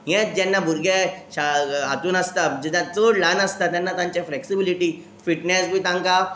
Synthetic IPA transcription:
ɦẽd͡ʑɛnːabʱuɾɡeɕaɦat̪uːnəst̪ad͡ʑɛd̪at͡solanəst̪at̪janːat̪ãɲt͡ɕafleksibiliʈiː | fiʈnɛsbʱiːt̪ãŋka

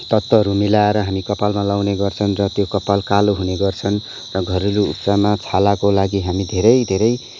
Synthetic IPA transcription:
t̪ʌt̪ːʌɾumilaeɾʌɦamikʌpalmalawneɡʌrt͡sʰʌnrʌt̪jokʌpalkaloɦuneɡʌrt͡sʰʌn | rʌɡʱʌɾiluṵpsamat͡sʰalakolaɡiɦamid̪ʱeɾʌjd̪ʱeɾʌj

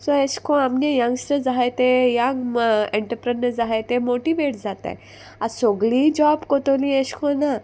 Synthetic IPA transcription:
sɔeɕkʰɔ̃amɲejãŋɡsʈəɾd͡zaɦat̪ejaẽɳʈəɾpɾənəɾd͡zaɦet̪emoʈiʋeʈd͡zat̪a̰j | asoɡɭid͡ʑɔbkot̪olĩeɕkʰɔ̃na

